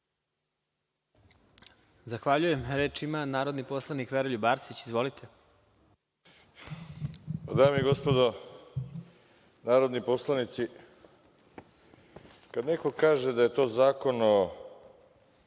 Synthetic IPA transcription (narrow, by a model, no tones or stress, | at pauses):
zaxʋaʎuje̞mɾeːt͡ʃimanaːɾo̞d̪nipo̞slˠanikʋeɾoʎubaːɾsit͡ɕizʋo̞lit̪ʰe̞ | ad̪aːmiiɡo̞spod̪o | naːɾod̪niposlˠanit̪si | kad̪ne̞kokaːʒed̪aje̞t̪o̞ːzaːko̞no